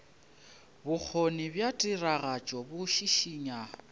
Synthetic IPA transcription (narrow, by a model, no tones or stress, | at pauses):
bʊk͡xʰonibjatʼiraɣat͡ʃʼɔbʊʃiʃiɲa